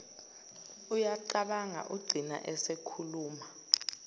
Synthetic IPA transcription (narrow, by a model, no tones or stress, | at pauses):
ujaǃaɓaŋa̰ʔuɡ͡ǀʱina̰ʔɛsekʰuluːma